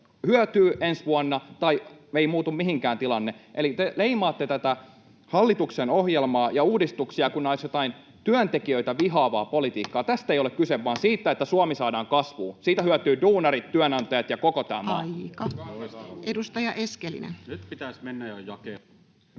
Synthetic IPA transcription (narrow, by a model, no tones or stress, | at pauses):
hyœt̪yːʔensʋuɑnːɑt̪ɑieimuːt̪ummihiŋkæːnt̪ilɑnːeʔelit̪eleimɑːt̪ːet̪æt̪æ | hɑlːit̪uksenohjelmɑːjɑuːdist̪uksiɑkunːeoisjot̪ɑin | t̪yœnt̪ekiøit̪æʋiɦɑːʋɑ̰ːpolit̪iːkːɑːt̪æst̪eijolekkyseʋːɑːnsiːt̪ːæet̪ːæsuɑmisɑːdɑːŋkɑsʋuːsiːt̪æhyæt̪yːduːnɑrit̪tyænɑnt̪ɑjɑt̪jɑkokot̪æ̰ːmɑ̰ːkɑ | edust̪ɑjɑʔeskelḭnḛnnyt̪pit̪æˑsmenːæjojɑkeː